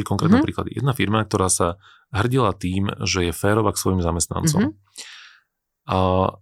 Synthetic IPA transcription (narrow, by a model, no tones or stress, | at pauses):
c̚kɔŋkɾɛːt̪nɛpɾiːkla̰d̪ijɛ̰d̪nafiɾmak̚t̪ɔɾaːsa | ɦr̩ɟilat̪iːmʒɛjɛfɛːɾɔʋaksʋɔjimzamɛst̪na̰nt͡sɔ̰m